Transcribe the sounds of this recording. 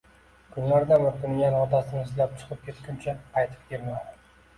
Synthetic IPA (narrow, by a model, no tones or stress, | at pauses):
kʰʊnlaɾd̪amʊɾt̪ʊŋɡʲanɒt̪ʰasɪnɪɪzlap̚t͡ʃʰɨ̥qɨp̚kʲʰe̞t̪kʰʲʊnt͡ʃʰaqʰɑjt̪ʰɪ̥p̚kʲeɾmad̪ɪ